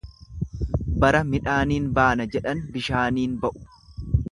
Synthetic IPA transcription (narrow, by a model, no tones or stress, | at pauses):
bɐɾɐmɪᶑaːniːnbaːnɐd͡ʒɛᶑɐnbɪʃaːniːnbɐʔʊ̥